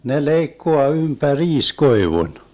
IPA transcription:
ne leikːoɑ ympæriːs koiʋun

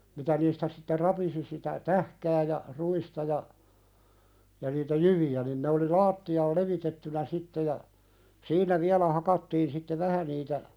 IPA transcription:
mitæ niːstæ sitːe rɑpisi sitæ tæhkæː jɑ ruistɑ jɑ jɑ niːtæ jyʋiæ nin ne oli lɑːtːiɑːl leʋitetːynæ sitːe jɑ siːnˑæ ʋiælæ hɑkɑtːiːn sitːe ʋæhæ niːtæ

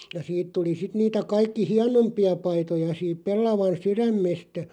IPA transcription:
jɑ siːt tuli sit niːtæ kɑikːi hiɑnompiɑ pɑitojɑ siːp pelːɑʋɑn syræmːestæ

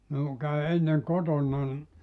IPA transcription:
minuŋ kæy enːeŋ kotonːɑn

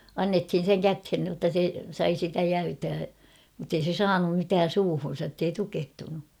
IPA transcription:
ɑnːethin̞ seŋ kæthen nĭotːɑ se sɑi sitæ jæytæː mutːei se sɑːnum mitæːn̞ suːhun̞sɑ tːei tukehtunu

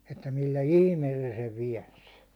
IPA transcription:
etːæ milːæ ihmeːl se̥ seʋ ʋiɛns

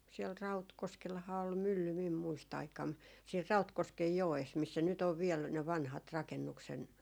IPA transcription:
siɛl rɑutkoskelhɑː ol mylːy mim muist ɑikɑm siːr rɑutkoskej joes misːæ nyt on ʋiɛl ne ʋɑnhɑt rɑkenːuksen

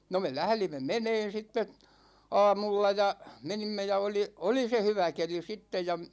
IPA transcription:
no me læhlimːe meneːn̞ sitːe ɑ̝ːmulːɑ jɑ menimːe jɑ oli oli se hyʋæ keli sitːej̆ jɑ

